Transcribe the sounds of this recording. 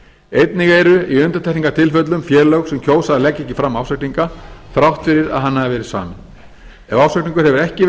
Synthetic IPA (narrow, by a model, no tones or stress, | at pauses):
ejt̪niɣejɾʏiʏnt̪at̪ʰɛhniŋkat̪ʰɪlfœt̪̬lʏmfjɛːɾlœwɣsɛmcʰoːwsaðalɛcːɛhcːɪfɾamːaːwsœkniŋkaθɾawht̪fɪɾɪɾa̰ðɦanːaðvɛːɾɪðsa̰ːmɪn | ɛvaːwsœkniŋkʏɾ̥hɛvʏɾɛhcɪ